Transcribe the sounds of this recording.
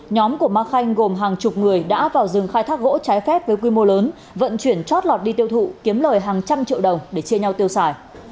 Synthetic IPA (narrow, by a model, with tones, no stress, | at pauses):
ɲɔ˨˦mku˧˩əmaː˧xa˧jŋ̟ɣo˨˩mɦaː˨˩ŋt͡ɕʊ˨˩k͡p̚ŋɨ˨˩əjɗa̰ː˧˥vaː˨˩wzɨ˨˩ŋxaː˧jt̪ʰaː˦˥k̚ɣo̰˧˥t͡ɕaː˨˦jfɛ˦˥p̚vəː˨˦jkwi˧mo˧ləː˨˦n | və̰˧˨nt͡ɕwi˧˩ənt͡ɕwɔ˦˥t̚lɔ˨˩t̚ɗi˧t̪i˧əwt̪ʰṵ˧˨ki˨˦əmləː˨˩jɦaː˨˩ŋt͡ɕa˧mt͡ɕḭ˧˨əwɗə˨˩wŋ͡mɗe˧˩t͡ɕi˧əɲa˧wt̪i˧əwsaː˧˨˩j